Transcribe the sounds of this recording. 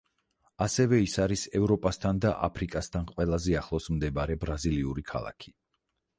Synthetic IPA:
asɛvɛisaɾisɛvɾɔpʼast̪ʰand̪aʔa̰pʰɾikʼast̪ʰanqʼwɛlˠazɛaχlˠɔsmd̪ɛbaɾɛbɾaziliuɾikʰa̰lˠa̰kʰi̥

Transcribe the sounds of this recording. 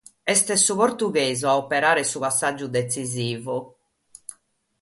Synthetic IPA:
ɛst̪ɛsuβoɾt̪uɣeːzuaopɛɾaːɾɛsupasːad͡ʒːud̪esiziːvu

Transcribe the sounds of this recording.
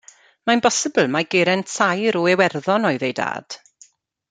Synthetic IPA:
maɪ̃nbɔsəbəlˠmaɡɪːɾɛntsʰajɾɔɛwɛrðɔnɔɨðejda̰ːd̥

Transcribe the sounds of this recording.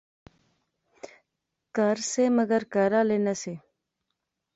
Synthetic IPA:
kəɾseːməɡəɾkəɾaːleːnəse

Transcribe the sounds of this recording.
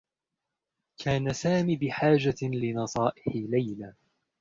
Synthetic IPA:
kʰaːnasaːmiːbɪħaːd͡ʒalɪnɑsˤɑːʔɪħɪlajla

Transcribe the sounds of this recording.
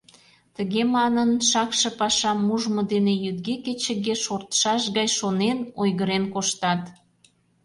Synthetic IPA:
t̪əɣemɑnənʃɑkʃə̆pɑʃɑmuʒmod̪enejyd̪̚ɡeket͡ɕə̆ɡeʃort̪ə̥ʃɑʃɣɑjʃonenojɣəɾenkoʃt̪ɑt̪

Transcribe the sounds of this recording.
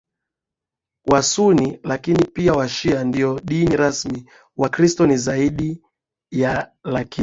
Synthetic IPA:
wasunilakinipiawaʃiandiɔɗiniɾasmi | wakɾistɔnizaiɗi | jalaki

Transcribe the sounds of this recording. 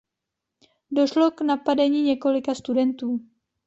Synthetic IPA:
do̞ʃlo̞knapadɛɲiːɲɛko̞lɪkast̪udɛnt̪uː

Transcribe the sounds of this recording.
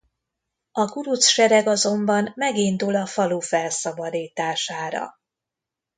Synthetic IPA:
ɒɡuɾut̪sʃɛɾɛɡɒzo̞mbɒnːɛɡind̪ulɒfɒluːfɛlsɒbɒd̪iːt̪aːʃaːɾɒ̰

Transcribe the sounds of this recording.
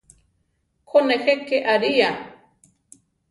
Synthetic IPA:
kʰonexekeʔaɾija

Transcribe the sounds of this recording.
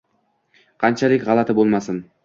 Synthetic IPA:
qʰɑnt͡ʃʰalɪkʲʁɑlˠat̪ʰɪbolˠmasɪn

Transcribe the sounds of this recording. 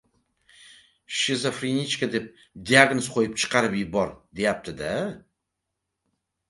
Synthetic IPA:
ʃezofɾinʲit͡ʃkad̪e̞p̚ | d̪ʲiaɡnosqʰojɪpt͡ʃʰɨ̥qɑɾɨpibɒɾd̪e̞jap̚t̪ʰɪd̪a

